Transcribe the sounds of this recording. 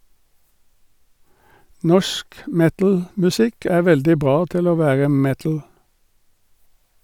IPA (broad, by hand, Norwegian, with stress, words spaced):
ˈnɔʃk ˈmɛtl̩mʉˌsɪk ˈæː ˈʋɛldɪ ˈbʁɑː ˈtɪl ˈoː ˈʋæːʁə ˈmɛtl̩